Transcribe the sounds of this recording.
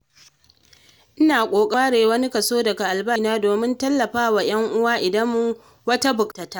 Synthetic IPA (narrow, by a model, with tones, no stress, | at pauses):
ʔɪ˦naː˨kʷʼoː˨kʼɐ˦a˦ɽeː˨wɐ˦ni˦kɐ˨soː˦dɐ˨ɡa˨ʔa˨lbɐ˦naː˦doː˨mɪ˦ntɐ˦lːɐ˨ɸaː˦wa˨j̰ɐ˦ŋʔʊ˦waː˦ʔɪ˨dɐ˦mːʊ˦ | wɐ˦ta˦bʊ˨ktɐ˨taː˦ʔ